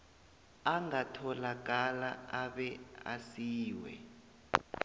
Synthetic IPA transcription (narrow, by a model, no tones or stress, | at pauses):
aŋatʰɔlak̬alaaɓɛa̰siːwɛ̰